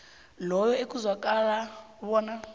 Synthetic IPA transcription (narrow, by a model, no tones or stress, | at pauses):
lɔjɔek̬ʼuzwakʼala | βɔːna